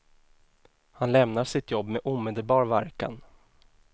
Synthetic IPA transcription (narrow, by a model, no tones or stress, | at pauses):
hanlɛmnaʂɪt̪jɔbːmɛʔuːmeːd̪əlbɑːɾvaɾka̰n